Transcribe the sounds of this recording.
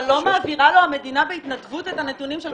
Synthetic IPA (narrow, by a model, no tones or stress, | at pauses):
lo̞maːviʁalo̞hame̞dinabe̞itnadvutethane̞tunimʃe